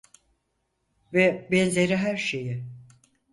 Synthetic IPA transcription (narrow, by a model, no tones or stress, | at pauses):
vɛbɛnzʲeɾiɦæɾʃejɪ